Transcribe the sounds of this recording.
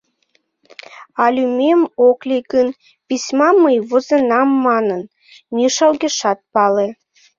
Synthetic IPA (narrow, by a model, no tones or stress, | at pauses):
ɑlʲymemoklʲikən | pisʲmɑməjβozənɑmːɑnən | mʲiʃɑlɣeʃɑt̪̚pɑle